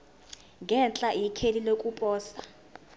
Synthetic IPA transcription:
ŋɡɛnt͡ɬʼaʔikʰelilokʼupʼɔːsa

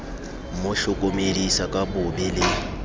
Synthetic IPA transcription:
mʊɬʊkʼomedisakʼabʊbɪlɪ

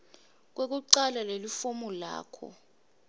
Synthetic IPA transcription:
k̬wek̬uǀalalelifumɔla̰ːkʰɔ̰

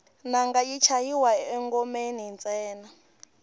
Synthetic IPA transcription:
naŋɡajit͡ʃʰajiwaɛŋɡɔmenint͡sʼɛːna

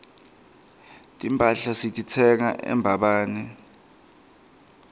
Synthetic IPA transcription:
tʼimpʼaɬasitʼitʰɛŋaʔɛ̰mbʱaɓaːnɛ

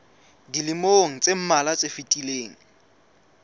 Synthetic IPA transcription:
dilɪmoŋ̩t͡sʼem̩malat͡sʼefitʼileːŋ̩

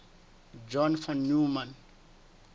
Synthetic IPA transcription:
d͡ʒɔnfɔ̃nːumãn

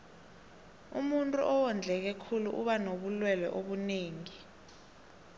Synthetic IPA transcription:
ṵmuntʼṵʔɔwɔnd͡ɮʱɛk̬ɛkʰulṵʔuɓanoɓulwɛlɛ̰ʔoɓuneːŋi

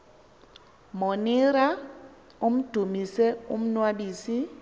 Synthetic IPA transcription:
mɔnɪɾa | om̩d̥ʱumisɛum̩nwaɓisi

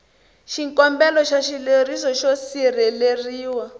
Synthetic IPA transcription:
ʃiŋkɔmbɛlɔʃaʃilerisɔʃosirɛleriːwa

